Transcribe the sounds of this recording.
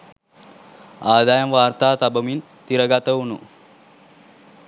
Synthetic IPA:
aːd̪ajɐmʋaːrt̪aːt̪abəmin | t̪iɾəɡat̪əunu

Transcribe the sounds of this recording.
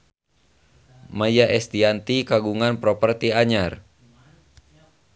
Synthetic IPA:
majaʔɛst̪iant̪ikaɡuŋanpɾɔpərt̪iaɲar

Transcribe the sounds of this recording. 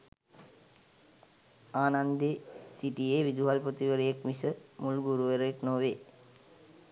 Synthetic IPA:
aːnand̪esiʈijeʋid̪uɦalpot̪iʋəɾəjekmisəmulɡuɾuʋeɾjeknoːʋeː

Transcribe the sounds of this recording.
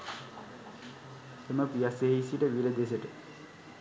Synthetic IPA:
eməpijaseɦeisiʈəʋiləd̪esəʈə

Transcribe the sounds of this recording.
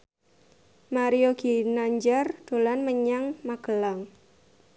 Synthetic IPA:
maɾioɡ̥inaɲd͡ʒard̪̥o̤lanməɲaŋmaɡ̥əlaŋ

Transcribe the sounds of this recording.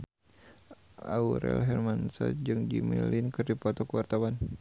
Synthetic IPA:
ʔauɾɛ̰lɦɛrmansa̰d͡ʒɨŋd͡ʒimilinkɨrdipɔt̪ɔkəwart̪awan

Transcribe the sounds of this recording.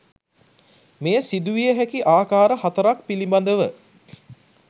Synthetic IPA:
mejəsid̪uʋijəɦækiʔaːkaːɾəhat̪əɾak̚piliband̪əʋə

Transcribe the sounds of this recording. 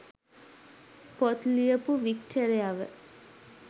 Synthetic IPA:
pot̪lijəpuʋikʈoɾejaʋə̰

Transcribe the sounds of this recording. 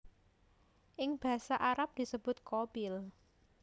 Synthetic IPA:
ʔɪŋb̥a̤saʔaɾap̚d̪̥i̤səb̥ʊ̤t̪̚kob̥ɪl

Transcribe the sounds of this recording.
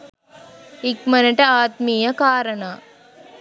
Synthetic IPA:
ik̚mɐnɐʈɐaːt̪mijɐkaːɾɐnaː

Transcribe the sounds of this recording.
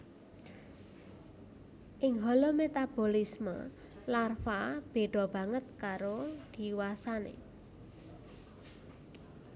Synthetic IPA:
ʔɪŋɦɔlomet̪ab̥o̤lismə̰ | larfab̥e̤ɖ̪̥ɔ̤b̥ä̤ŋət̪̚kaɾod̪̥i̤wasanḛ

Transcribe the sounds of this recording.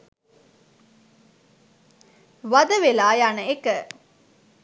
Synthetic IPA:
ʋɐd̪əʋelaːjaːnəekə

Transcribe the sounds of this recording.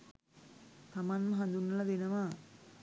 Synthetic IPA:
t̪ɐmanmɐɦɐnd̪unːɐlɐd̪inɐʋa

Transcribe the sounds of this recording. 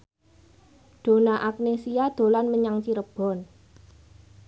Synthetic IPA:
ɖ̪̥o̤naʔak̚nesiad̪̥o̤lanməɲaŋt͡ʃiɾəb̥ɔ̤n

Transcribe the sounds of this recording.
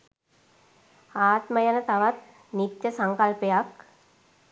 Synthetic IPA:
aːt̪məjanət̪aʋat̪̚ | nit̪jəsaŋkalpejak

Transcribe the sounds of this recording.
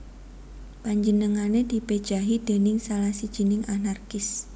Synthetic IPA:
paɲd͡ʒənəŋaned̪̥i̤ped̥ʒ̥a̤ɦid̪̥e̤nɪŋsalahsid̥ʒ̥ə̤nɪŋʔanarkɪs

